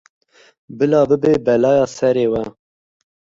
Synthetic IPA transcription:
bɨlɑːbɨbeːbɛlɑːjɑːsɛɾeːwɛ

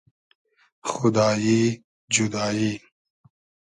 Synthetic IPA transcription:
xʊd̪aːji | d͡ʒud̪aːji

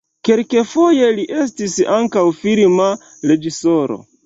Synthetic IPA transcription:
ke̞lke̞fo̞je̞liʔe̞s̬tisaŋkawfilma | ɾe̞d͡ʒiso̞ɾo̞̰

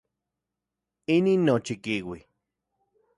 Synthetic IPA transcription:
iniːnːot͡ʃikiwi

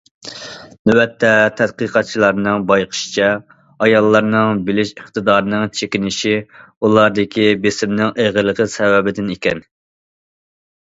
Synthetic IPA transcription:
nywɛt̪ʰːɛt̪ʰɛd̪qəqʰɑt̪̚t͡ʃʰilˠɑɾnɨŋbɑjqʰə̥ʃi̥t͡ʃʰɛ | ɑjɑlˠːɑɾnɨŋbɪlɪʃəχt̪ɨd̪ɑːɾnɨŋt͡ʃʰekʲinɪʃiulˠɑɾd̪ɪkʲʰibesɪmnɪŋʔeʁəlˠəqʰəsɛwɛbɪd̪ɪnekʲɛn

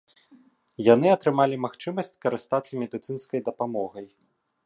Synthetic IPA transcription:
janɨɐt̪ɾɨmalʲimaxt͡ʂɨmɐsʲt͡sʲkɐɾɨst̪at̪sːɐmʲɛd̪ɨt̪sɨnskɐjd̪ɐpamɔɣɐj

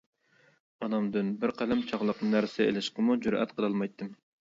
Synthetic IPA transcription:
ɑnɑmd̪ɨnbɪɾqʰælɛmt͡ʃʰɑʁlˠəqnɨnæɾsɪḛlɪʃqəmud͡ʒuɾɛ̰t̪qʰəlˠɑlˠmɑjt̪ʰːɨm

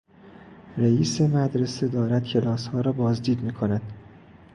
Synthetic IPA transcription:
ɾeiːse̞mæd̪ɾese̞d̪ɒːɾæd̪̥̚cʰe̞lɒːshɒːɾɒːbɒːzd̪iːd̪miːkʰonæd̪̥

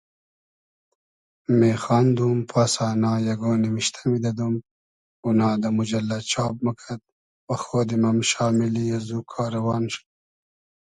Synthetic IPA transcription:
meːxɑːnd̪uːmpʰaːsɑːnɑːjɐɡoːniwiʃt̪ʰḁmid̪ɐd̪um | unɑːd̪ɐmud͡ʒɐlːat͡ʃʰɑːb̚mɐkʰɐt̪̚ | wɐxoːd̪imɐmʃɑːmiliazukʰɑːɾɐwɑːnʃ

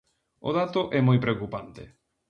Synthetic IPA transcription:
o̰ðat̪oʔɛmojpɾeokupant̪ḛ

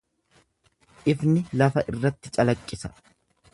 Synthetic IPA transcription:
ʔɪfnɪlɐfɐʔɪrːɐt̪ːɪt͡ʃʼɐlɐkʼːɪsɐ̥

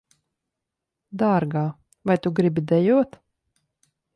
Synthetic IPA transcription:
d̪aːɾɡaː | vajt̪uɡɾibid̪ɛjuɔt̪

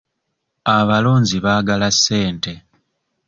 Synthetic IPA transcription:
aβalo̞ːɲziβaːɡalasːe̞ːnte̞

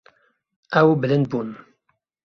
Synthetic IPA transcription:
ʔɛwbɨlɨnd̪̚buːn

